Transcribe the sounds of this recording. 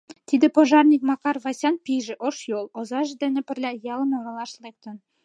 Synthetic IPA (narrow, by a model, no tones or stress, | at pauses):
t̪id̪ɘ̆poʒɑrnʲik̚mɑkɑrvɑsʲɑnpʲiʒɘ̆ʔoʃjolˠŏzɑʒɘ̆d̪ɘ̆nɘ̆pɘ̆rlʲæjɑlˠɤ̆nŏɾɑ̆lˠɑʃlˠek̚t̪ɤ̆n